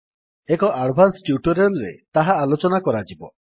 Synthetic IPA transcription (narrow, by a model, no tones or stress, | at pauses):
ekɔʔaɖbʱansʈjuʈɔɾelɾḛt̪aɦaːlot͡ʃɔnakɔɾad͡ʒibɔ̰